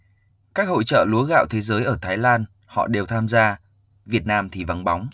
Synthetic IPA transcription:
kaː˦˥k̚ho̰˧˨jt͡ɕə̰ː˧˨lu˨˦əɣa̰ː˧˨wt̪ʰe˨˦zəː˨˦jʔəː˧˩t̪ʰaː˨˦jlaː˧n | hɔ̰˧˨ɗe˨˩wt̪ʰaː˧mzaː˧ | vi˨˩ət̚naː˧mt̪ʰi˨˩va˨˦nɓa˨˦wŋ͡m

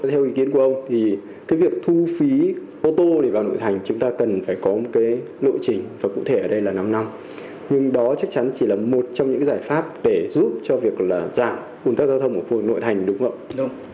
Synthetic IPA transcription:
t̪ʰɛ˧wʔi˨˦ki˨˦ənku˧˩əʔə˧wŋ͡mt̪ʰi˨˩ | kaː˨˦jvi˨˩ək̚t̪ʰu˧fi˨˦ | ʔo˧t̪o˧ɗe˧˩vaː˨˩wno̰˧˨jt̪ʰa˨˩jŋ̟t͡ɕʊ˨˦ŋ͡mt̪aː˧kə˨˩nfaː˧˩jkɔ˨˦mo˨˩t̚kaː˨˦j | lo̰˧˨jt͡ɕï˨˩ŋ̟vaː˨˩kṵ˧˥t̪ʰe˧˩ʔəː˧˩ɗə˧jlaː˨˩na˧mna˧m | ɲɨ˧ŋɗɔ˨˦t͡ɕa˦˥k̚t͡ɕa˨˦nt͡ɕi˧˩laː˨˩mo˨˩t̚t͡ɕɔ˧wŋ͡mɲɨ̰˧˥a˨jzaː˧˩jfaː˦˥p̚ɗe˧˩zu˦˥p̚t͡ɕɔ˧vi˨˩ək̚laː˨˩zaː˧˩m | ku˨˩nt̪aː˦˥k̚zaː˧wt̪ʰə˧wŋ͡mʔu˧˩fk̚no̰˧˨jt̪ʰa˨˩jŋ̟ɗʊ˨˦ŋ͡mʔə̰˧˨w

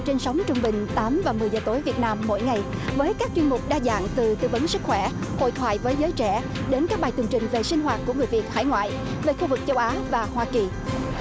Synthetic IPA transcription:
t͡ɕe˧nsa˨˦wŋ͡mt͡ɕʊ˧ŋ͡mɓï˨˩ŋ̟t̪aː˨˦mvaː˨˩mɨ˨˩əjzəː˨˩t̪o˨˦jvi˨˩ət̚naː˧mːo̰˧˨jŋa˨˩jvəː˨˦jkaː˦˥k̚t͡ɕwi˧nmʊ˨˩k͡p̚ɗaː˧za̰ː˧˨ŋt̪ɨ˨˩t̪ɨ̰˧və˨˦nsɨ˦˥k̚xwɛ˧˩ho̰˧˨jt̪ʰwa̰ː˧˨jvəː˨˦jzəː˨˦jt͡ɕɛ˧˩ | ɗe˨˦nkaː˦˥k̚ɓaː˨˩jt̪ɨ˨˩əŋt͡ɕï˨˩ŋ̟ve˨˩si˧ŋ̟ɦwaː˨˩t̚ku˧˩əŋɨ˨˩əjvi˨˩ət̚ha̰ː˧˩jŋwa̰ː˧˨j | ve˨˩xu˧vɨ˨˩k̚t͡ɕə˧˦wʔaː˨˦vaː˨˩hwaː˧ki˨˩

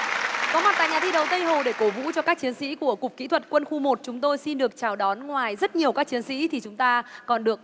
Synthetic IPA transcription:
kɔ˨˦mwt̚t̪a̰˧˨ɲaː˨˩t̪ʰi˧ɗə˨˦wt̪ə˧jɦo˨˩ɗe˧˩ko˧˩vṵ˧˥t͡ɕɔ˧kaː˦˥k̚t͡ɕi˨˦ənsḭ˧˥ku˧˩əkʊ˨˩k͡p̚kːḭ˧˥t̪ʰwə˨˩t̚kwə˧nxu˧mo˨˩t̚t͡ɕʊ˨˦ŋ͡mt̪o˧jsi˧nɗɨ˨˩ək̚t͡ɕaː˧˩wɗɔ˨˦nŋwaː˨˩jzə˦˥t̚ɲi˨˩əwkaː˦˥k̚t͡ɕi˨˦ənsḭ˧˥t̪ʰi˨˩t͡ɕʊ˨˦ŋ͡mt̪aː˧kɔ˨˩nɗɨ˨˩ək̚

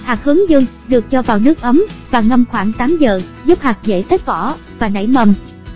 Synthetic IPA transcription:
haː˨˩k̚hɨ˨˦əŋzɨ˧ŋ | ɗɨ˨˩ək̚t͡ɕɔ˧vaː˨˩wnɨ˦˥ək̚ʔə˨˦mvaː˨˩ŋə˧mxwaː˧˩ŋt̪aː˨˦mzəː˨˩ | zu˦˥p̚haː˨˩k̚zḛ˧˥se˦˥t̚kɔ˧˩ | vaː˨˩na̰˧˩jmə˧˩m

